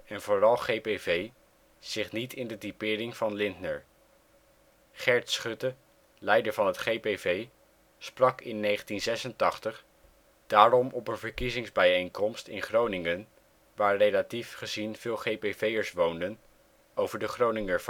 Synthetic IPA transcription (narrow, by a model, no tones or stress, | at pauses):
ɛnvʊːrɑlˠχejpevej | z̥ɪχnitʰɪndədipɪːrɪŋvɑnlɪndnəɹ | χɛɹtsχɵtə | lɛjdəɹvɑnɦətχejpejvej | sprɑkɪnːejχəntinzɛsəntɑχtəχ | d̥aːɹɔmɔpənvəɹkizɪŋzbɛjejŋkɔmstɪnχrownɪŋən | ʋaːɹrejlatifχəzinv̥ɪːlˠχejpevejəɹsʋowndən | owvəɹdəχrownɪŋəɹv